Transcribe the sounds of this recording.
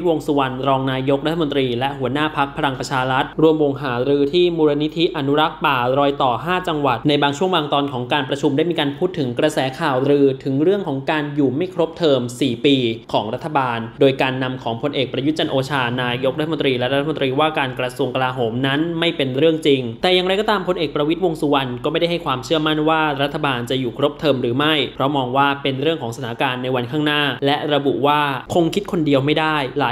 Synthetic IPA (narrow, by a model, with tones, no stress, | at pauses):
wo˧ŋsu˧wa˧nɾɔː˧ŋnaː˧jo˦˥k̚ɾa˦t̪ʰːm˧nt̪ɾiː˧lɛ˦˥ʔɦu˩˦ənaː˥˩pʰa˦˥k̚pʰa˧ɾa˧ŋpɾa˧t͡ɕʰaː˧ɾa˦˥t̪̚ɾu˧əmwo˧ŋɦaː˩˦ɾɯː˧t̪ʰiː˥˩muː˧ɾa˧ni˦˥t̪ʰi˦˥ʔa˧nu˦˥ɾa˦˥k̚paː˨˩ɾɔː˧jt̪ɔː˨˩ɦaː˥˩t͡ɕa˧ŋwa˨˩t̪̚na˧jbaː˧ŋt͡ɕʰu˥˩əwaː˧ŋt̪ɔː˧nkʰɔː˩˦ŋkaː˧npɾa˧t͡ɕʰu˧mda˥˩jmiː˧kaː˧npʰuː˥˩t̪ʰːɯ˩˦ŋkɾa˧sɛː˩˦kʰaː˨˩wɾɯː˧t̪ʰɯ˩˦ŋɾɯ˥˩əŋkʰɔː˩˦ŋkaː˧njuː˨˩ma˥˩jkʰɾo˦˥p̚t̪ʰɤː˧msiː˨˩piː˧kʰɔː˩˦ŋɾa˦˥t̪ʰːa˧baː˧ndoː˧jkaː˧nːa˧mkʰɔː˩˦ŋpʰo˧nʔeː˨˩k̚pɾa˧ju˦˥t̪̚t͡ɕa˧nʔoː˧t͡ɕʰaː˧naː˧jo˦˥k̚ɾa˥t̪ʰːa˧mo˧nt̪ɾiː˧lɛ˦˥ɾa˦t̪ʰːa˧m˧nt̪ɾiː˧waː˥˩kaː˧nkɾa˧su˧əŋka˧laː˧ɦoː˩˦mna˦˥nma˥˩jpe˧nɾɯ˥˩əŋt͡ɕi˧ŋt̪ɛː˨˩ja˨˩ŋɾa˧jkɔː˧˥˩t̪aː˧mpʰo˧nʔeː˨˩k̚pɾa˧wi˦˥t̪̚wo˧ŋsu˧wa˧nkɔː˥˩ma˥˩jda˥˩ɦa˥˩jkʰwaː˧mt͡ɕʰɯ˥˩əma˥˩nwaː˥˩ɾa˦˥t̪ʰːa˧baː˧nt͡ɕa˨˩juː˨˩kʰɾo˦˥p̚t̪ʰɤː˧mɾɯː˩˦ma˥˩jpʰɾɔ˦˥mɔː˧ŋwaː˥˩pe˧nɾɯ˥˩əŋkʰɔː˩˦ŋsa˧aː˩˦kaː˧nːa˧jwa˧nkʰaː˥˩ŋnaː˥˩lɛ˦˥ʔɾa˧bṵ˨˩waː˥˩kʰo˧ŋkʰi˦˥t̪̚kʰo˧ndi˧əwma˥˩jdaː˥˩jlaː˩˦